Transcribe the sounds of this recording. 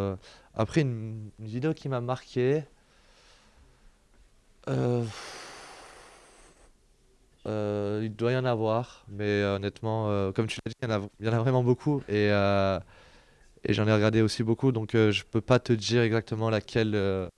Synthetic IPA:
a̰pχɛynynvid̪eokʲimamaʁkʲʰe | ø | øild̪wajɑ̃navwaʁmɛɔnɛt̪mɑ̃økɔmt̪ylad̪ijɑ̃nailjɑ̃navʁɛmɑ̃bokʰueø | ḛʒɑ̃nɛʁəɡaʁd̪eosibokud̪ɔ̃køʒəpøpat̪əd̪iʁɛɡzak̚t̪əmɑ̃lakʲʰɛlø

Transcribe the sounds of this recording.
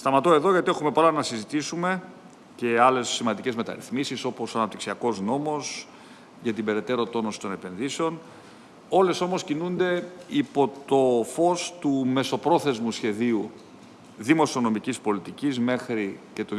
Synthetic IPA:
st̪ɐmɐt̪o̞eðo̞ʝɐt̪ie̞xume̞polɐnɐsizit̪isume̞ | ce̞ɐle̞sːimɐnd̪icezme̞t̪ɐ̰ɾḭθmisiso̞po̞sɐnɐp̚t̪iksiɐko̞zno̞mo̞s | ʝɐt̪ibe̞ɾe̞t̪e̞ɾo̞t̪o̞no̞si̥t̪o̞ne̞pe̞nðiseo̞n | o̞le̞so̞mo̞scinund̪e̞ipo̞t̪o̞fo̞st̪ume̞so̞pɾo̞θe̞zmusçe̞ðiu | ðimo̞sio̞no̞micispo̞lit̪icizme̞xɾice̞t̪o

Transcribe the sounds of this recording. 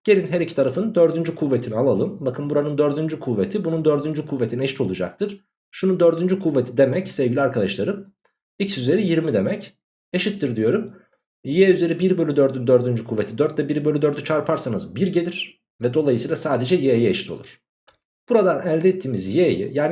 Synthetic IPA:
ɟ̥e̞lʲinɦæɾicʰit̪ʰaɾafɯnd̪øɾd̪ynd͡ʒykʰuvːet̪ʰinialˠalˠɯmbakʰɯnbuɾanɯnd̪øɾd̪ynd͡ʒykʰuvːet̪ʰibunund̪øɾd̪ynd͡ʒykʰuvːe̞t̪ʰineʃi̥t̪ʰo̞lˠud͡ʒa̰k̚t̪ʰɯɾ̥ | ʃunund̪øɾd̪ynd͡ʒykʰuvːet̪ʰid̪e̞mɛcsɛvɟilʲiaɾkʰad̪aʃlˠaɾɯm | icʰisyze̞ɾijiɾmid̪e̞mɛc | eʃit̪ːiɾd̪ijo̞ɾum | jeyze̞ɾibiɾbølʲyd̪øɾd̪ynd̪øɾd̪ynd͡ʒykʰuvːe̞t̪ʰid̪œɾt̪lʲɛbiɾibølʲyd̪øɾd̪yt͡ʃʰaɾpʰaɾsanɯzbiɾɟe̞lʲiɾ̥ | vɛd̪o̞lˠajɯsiːlˠasaːd̪e̞d͡ʒɛjejieʃi̥t̪ʰo̞̰lˠuɾ̥ | b̥uɾad̪anælʲd̪ɛːt̪ʰːiːmizjejḭjaːn

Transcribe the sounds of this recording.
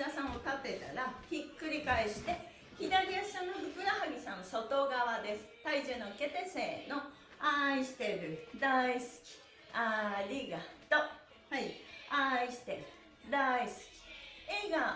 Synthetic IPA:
asãɰ̃ok̪at̪e̞t̪a̰ɾaçikːɯ̟ɾʲikaiɕi̥t̪e̞ | çid̪aɾʲiasãnːobɯ̟kɯ̟ɾahaɡʲisãnːoso̞t̪o̞ɡaβad̪e̞sɨ̥t̪aid͡ʑɨːnoke̞t̪eseːno̞ | aiɕi̥t̪e̞ɾɯ̟d̪aisɨ̥kʲi̥ | aɾʲiɡat̪o̞ | haiaiɕi̥t̪eɾɯ̟ | d̪aisɨ̥kʲi̥eɡa

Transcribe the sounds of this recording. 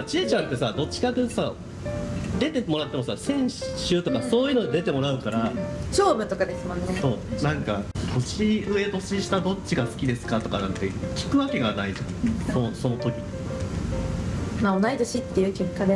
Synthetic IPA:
t͡ɕiet͡ɕãnt̪ːe̞sad̪o̞t͡ɕːi̥kat̪ːesa | d̪e̞t̪e̞mo̞ɾat̪ːe̞mo̞sasẽ̞ɰ̃ɕɕɨːt̪o̞kaso̞ːjɯ̟nod̪d̪e̞t̪e̞mo̞ɾaɯ̟kaɾaɕo̞ːmɯ̟t̪o̞kad̪e̞sɨmõ̞nːeso̞ːnãŋkat̪ʰo̞ɕiɯ̟e̞t̪o̞ɕiɕi̥t̪ad̪o̞t͡ɕiɡasɨ̥kʲid̪e̞sɨ̥kat̪o̞ka̰nãnt̪e̞kʲi̥kɯ̟βake̞ɡanaid͡ʑã̰soso̞no̞t̪o̞kʲi | mao̞naid̪oɕit̪ːe̞jɯ̟ːke̞kːad̪e

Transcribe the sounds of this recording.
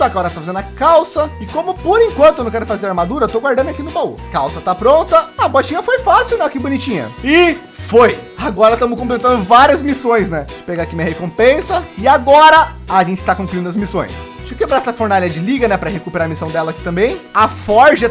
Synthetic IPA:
sɔkɐaɔɾɐst̪afazẽnd̪ɐkawsɐɪkõmʊpoɾẽŋkwɐ̃nt̪ʊenɐ̃w̃kɛɾʊ̃fazeɾaɾmad̪uɾɐt̪oɡwaɾd̪ɐ̃nd̪akinʊbaṵkawsɐt̪apɾõnt̪ɐɐbot͡ʃĩɲɐfojfasiwnɛkɪbʊnit͡ʃĩɲɐ̰ɪ | fojaɡɔɾɐt̪ɐ̃mʊs̬kõplet̪ɐ̃nd̪ʊvaɾiɐzmisõj̃snɛd͡ʒɪ̥peɡakimĩɲɐhekõpẽsɐɪaɡɔɾɐaʒẽnt͡ʃɪ̥t̪akõŋkluĩd̪ʊɐzmisõ̰j̃s | t͡ʃipʊkebɾaɛsɐfoɾnalʲɐd͡ʒɪliɡɐnɛpɾɐhekupeɾaɾɐmisɐ̃w̃d̪ɛlɐaki̥t̪ɐ̃mbẽj̃afɔɾʒɐ

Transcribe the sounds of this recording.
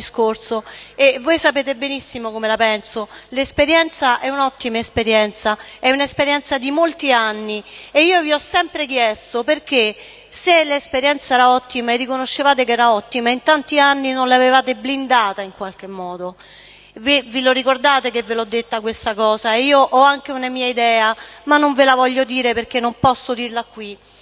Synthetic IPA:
iskorsoevːojsapeːt̪̬ebenisːimokomelapɛnsolespeɾjɛnt̪saʔɛunɔt̪ːimaespeɾjɛnt̪saɛunaespeɾjɛnt̪sad̪imolt̪ianːieiːoviɔsːɛmpɾek̟jɛst̪operk̟e | selespeɾjɛnt̪saɛːɾaɔt̪ːimaerːikonoʃːevaːt̪̬ek̬ɛːɾaɔt̪ːimaint̪ant̪ianːinonleavevaːt̪eblind̪aːt̪aiŋkwalkemːɔːd̪o | vivilorikord̪aːt̪ekevːelɔd̪ːet̪ːakwest̪akɔːsaeiːoʔɔaŋk̟eunamiːaid̪ɛːamanːoɱvelavɔʎːod̪iːɾeperk̟enːompɔsːod̪irlakːwi

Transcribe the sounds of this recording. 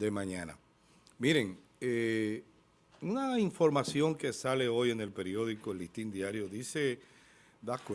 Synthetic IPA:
d̪emãɲãna̰ | miɾe̞ŋ | e | unaiɱfo̞ɾmasjo̞ŋke̞sale̞o̞jene̞lpe̞ɾjo̞ðikolist̪ind̪jaɾjo̞ðise̞ | d̪ak

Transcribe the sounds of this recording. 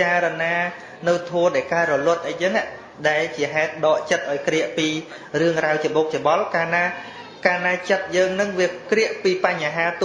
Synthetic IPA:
aːɾɔnaː | nɨwt̪ʰuəɗaɛlkaːɾɔlŏət̪̚ʔəjt͡ɕəːŋaʔ | ɗaɛlt͡ɕiəɦaɛt̪̚ɗɑːʔt͡ɕət̪̚ʔaɔjkrɛəʔpiː | rɨəŋraəwt͡ɕŏɓoːk̚t͡ɕoɓɑlkaːnaː | kaːnaːt͡ɕət̪̚jəːŋnɨŋʋiəkrĭəʔpiːpaɲːaɦaːt̪

